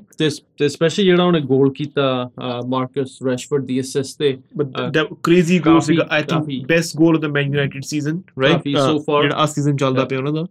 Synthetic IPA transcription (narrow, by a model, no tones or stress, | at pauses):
t̪et̪eːspɛːʃəliːd͡ʒeːɽaːɦʊñẽːɡoːlkiːt̪aːmaːɾkəsɾɛʃfəɾɖ̚d̪iːɛsɛst̪eːbəd̪əkɾeːziɡoːls̬ɪɡaʔajt̪ʰɪ̃ŋkːbɛsʈɡoːlɔd̪əmɛ̃ːnjunaɪʈɪɖsiːzə̃nɾaɪisoːfaːɾd͡ʒeːɽa̰ːʔəsːiːzənt͡ʃəld̪aːpẽõːñãd̪aː